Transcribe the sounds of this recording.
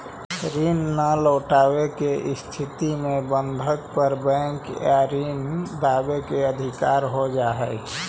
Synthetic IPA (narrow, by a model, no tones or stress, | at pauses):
ɾinːələʊʈawekeʔst̪ʰit̪imẽbənd̪ʱək̚pəɾbɛ̃ŋkaɾind̪aːbekeəd̪ʱikaːɾɦod͡ʒaːɦɛ